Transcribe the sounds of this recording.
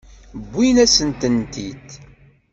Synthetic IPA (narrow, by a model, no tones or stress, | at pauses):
bːinæsənt̪ənt̪it̪